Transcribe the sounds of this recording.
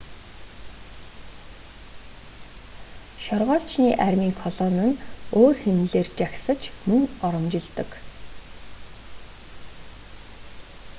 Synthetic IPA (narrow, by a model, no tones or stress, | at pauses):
ʃɔrʁɔːɬt͡ɕniːʔærʲmiːŋkʰɔɮɔnə̆noːrxenɮeːrt͡ɕaxsə̆t͡ɕmɵŋɔɾɞ̆mt͡ɕɪ̆ɮt̪ə̆k